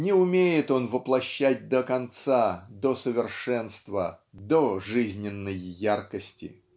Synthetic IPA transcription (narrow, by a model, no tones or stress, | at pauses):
nʲɪʊmʲejɪt̪o̞nvəplˠɐɕːæt̚ʲd̪əkɐnt̪sad̪osəvʲɪrʂɛnst̪vəd̪oʐɨzʲnʲɪnːəjːarkəsʲtʲɪ̰